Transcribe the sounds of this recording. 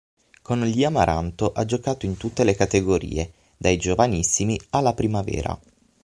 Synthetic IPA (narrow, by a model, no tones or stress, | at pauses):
konliamaɾʔa̰nt̪oʔad͡ʒokaːt̪oint̪ut̪ːelekat̪eɡoɾḭːe | d̪ajd͡ʒovanisːimialːapɾimavɛ̰ːɾa̰